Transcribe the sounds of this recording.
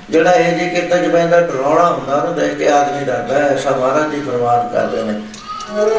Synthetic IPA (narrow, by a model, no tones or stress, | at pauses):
d͡ʒeːɽaːeːd͡ʒiːkɪt̪ːaːd͡ʒəpɛ̃ːnd̪aːɖəɾɔ̃ːɽaːɦʊ̃nd̪aːnõːd̪aːekeaːd̪mĩːɾəkd̪aːsãːʋaːɾaːd͡ʒ̪iːpʰəɾmaːnkə̰ɾd̪ḛːneː